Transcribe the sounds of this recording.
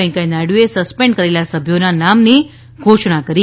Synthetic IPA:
ẽŋkajnaɽuesəspẽɳɖkəɾelasəbʱjonanamni | ɡʱoʃɽ̃akəɾi

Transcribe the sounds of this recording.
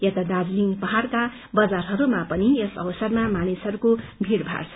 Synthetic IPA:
jet̪ad̪ad͡zliŋpʌɦarka | bʌd͡zarɦʌɾumapʌnijesʌwsʌrmamanisʌɾukobʱiɾbʱa̰rt͡sʰʌ̥

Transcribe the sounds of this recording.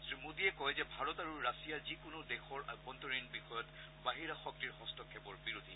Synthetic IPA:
zimudiɛkɔjzɛbʱaɹɔtaɹuɹasijazikʊnʊdɛxɔɹa̰ɔntɔɹinbixɔjɔt | baɦiɹaxɔk̚tiɹxɔstɔkʰːɛbɔɹbiɹud̪ʱi

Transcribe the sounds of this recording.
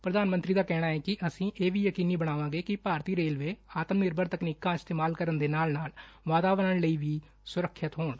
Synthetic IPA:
pɾəd̪aːnmənt̪ɾiːd̪aːkɛːɽ̃aːɛːkɪʔəsĩːʔeːʋiːjəkiːniːbəɽ̃aːʋãːɡeːkɪpaːɾt̪iːɾeːlʋeːaːt̪əmnɪɾbəɾt̪əkniːkãːɪst̪eːmaːlkəɾənd̪eːnaːlnaːlʋaːt̪aːʋnaːləiːʋiː | sʊɾəkʰːət̪ɦoːɳ

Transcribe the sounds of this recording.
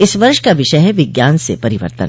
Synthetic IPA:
ɪsʋɐɾʃkaʋɪʃəɦɛʋɪɡjaːnsepɐɾɪʋə̰ɾt̪ə̰n

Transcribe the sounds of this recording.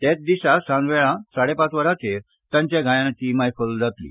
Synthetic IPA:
t̪ɛ̃t͡sd̪iɕasãnʋɛɭãsaɽepat͡sʋəɾat͡se | t̪ãɲt͡ɕjaɡʱãjãnat̪imajfəld͡zʱat̪lḭ

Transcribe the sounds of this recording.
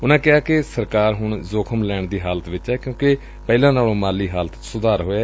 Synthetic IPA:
ʊnãːkɪaːkɪsəɾkaːɾɦʊɳzoːkʰəmlɛːɳd̪iːɦaːlət̪ʋɪt͡ʃɛːkjõːkɪ | pɛːlãːnaːlõːmaːliːɦaːlət̪sʊd̪aːɾɦoːaː

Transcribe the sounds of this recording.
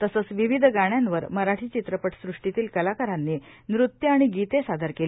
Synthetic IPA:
t̪əsəːt͡sʋiʋid̪ʱɡaɳ̃janʋəɾməɾaʈʰiːt͡ɕit̪ɾəpəʈsɾuʂʈit̪iːlkəlakəɾanːi | nɾut̪jəaɽ̃iɡit̪esad̪ʱəɾkeli

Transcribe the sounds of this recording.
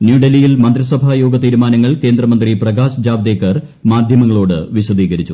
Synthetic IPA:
njuːɖelijilmɐnd̪risɐbʱaːjoːɡɐt̪iːɾumaːnɐŋːɐɭke̞ːnd̪rɐmɐnd̪riprɐɡaːsd͡ʑaːʋd̪eːkːɐr | maːd̪ʱjɐmɐŋːɐɭoːɽɨ̰ʋiɕɐd̪iːɣɐɾit͡ɕːu

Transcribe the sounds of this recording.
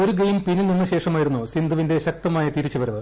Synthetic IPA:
oɾuɡɐjmpinːilninːɨɕe̞ːʂɐmaːjiɾunːusind̪ʱuʋinde̞ɕɐk̚t̪ɐmaːjɐt̪iɾit͡ɕːuʋɐɾɐʋɨ

